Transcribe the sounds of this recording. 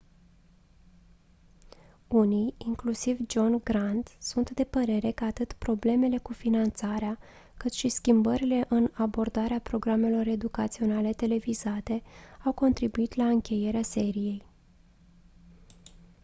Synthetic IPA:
uniiŋklusivd͡ʒo̞nɡɾant̪sunt̪d̪e̞pəɾe̞ɾe̞kəat̪ɨt̪pɾo̞ble̞me̞le̞kufinant̪saɾea | kɨt̪ʃiskʲimbəɾile̞ʔɨnabo̞rd̪aɾeapɾo̞ɡɾame̞lo̞ɾe̞d̪ukat̪sio̞nale̞t̪e̞le̞vizat̪e̞awko̞nt̪ɾibuit̪laɨŋkʲe̞je̞ɾease̞ɾije̞j

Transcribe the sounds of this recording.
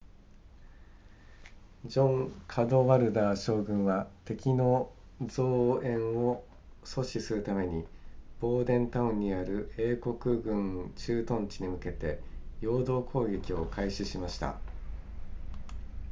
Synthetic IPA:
d͡ʑõ̞ŋkʰad̪o̞βaɾɯ̟d̪aːɕo̞ːɡɯ̟̃ɰ̃βat̪e̞kʲino̞ | d͡zo̞ːẽ̞ɰ̃o | so̞ɕisɨɾɯ̟t̪ame̞ɲ̟ib̥o̞ːd̪ẽ̞nt̪aɯ̟̃ɲ̟ːiaɾɯ̟e̞ːko̞kɯ̟ɡɯ̟̃ŋt͡ɕɨːt̪õ̞ɲ̟t͡ɕiɲ̟imɯ̟ke̞t̪e̞jo̞ːd̪o̞ːkʰo̞ːɡʲe̞kʲio̞kʰaiɕiɕimaɕi̥t̪a̰

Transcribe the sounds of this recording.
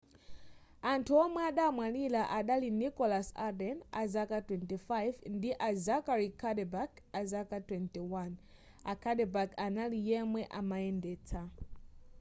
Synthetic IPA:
antʰuɔmwɛaɗaːmwalilaʔaɗalinikɔlasadɛnazakatwɛntifajvndiʔazakaɾikʰadɛbak | azakatwɛntiwan | akʰaɗɛbakʰanalijɛmwɛʔamaɛndɛːt͡sʰa

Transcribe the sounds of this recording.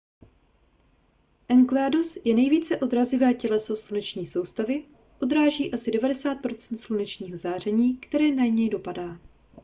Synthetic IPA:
ʔɛŋklɛːdosjɛnɛjviːt͡sɛʔo̞d̪ɾazɪvɛːcɛlɛso̞slunɛt͡ʃɲiːso̞wst̪avɪ | ʔo̞d̪ɾaːʒiːʔasɪdɛvadɛsaːt̪̚pɾo̞t͡sɛ̥nt̪slunɛt͡ʃɲiːɦo̞zaːr̝ɛɲiːkt̪ɛɾɛːnaɲɛjdo̞padaː

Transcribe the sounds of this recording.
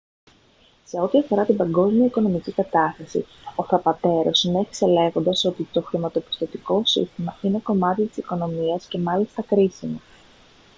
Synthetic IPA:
se̞o̞t̪iɐfo̞ɾɐt̪ibɐŋɡo̞zmiɐiko̞no̞micikɐt̪ɐst̪ɐsḭo̞θɐpɐt̪e̞ɾosine̞çi̥se̞le̞ɣond̪ɐso̞t̪it̪o̞xɾimɐt̪o̞pi̥st̪o̞t̪iko̞sḭst̪imɐine̞ko̞mɐt̪it̪i̥siko̞no̞miɐsce̞mɐlist̪ɐkɾisimɐ

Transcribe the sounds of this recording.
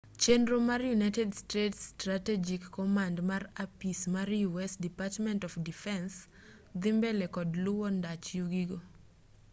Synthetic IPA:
t͡ʃenɾomarjunajtɛdstetstɾatɛd͡ʒikːɔmandmarapismarjuɛsdipatmɛntɔfdifɛns | d̪ɪmbɛlɛkɔdlʊwɔndat͡ʃjuɡiɡo

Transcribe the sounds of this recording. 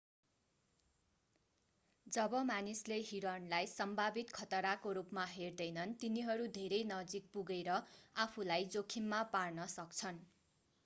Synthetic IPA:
d͡zʌbʌmanisleɦiɾʌnlajsʌmbʱabit̪kʰʌt̪ʌɾakoɾupmaɦerd̪ʌjnʌnt̪iniɦʌɾud̪ʱeɾʌjnʌd͡zik̚puɡeɾʌapʰulajd͡zokʰimːaparnʌsʌkt͡sʰʌn

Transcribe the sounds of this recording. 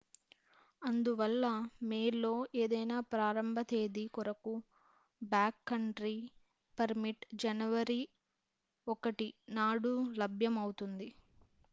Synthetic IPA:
ɐnd̪uʋɐlːɐmeːlːo̞ːe̞ːd̪ɐjnaːpɾaːɾɐmbʱɐt̪e̞ːd̪ikɔɾɐku | baːkːɐɳʈɾi | pɐɾmiʈd͡ʒɐnɐʋɐɾi | ɔkɐʈinaːɽulɐbʱjɐmɐwut̪und̪i

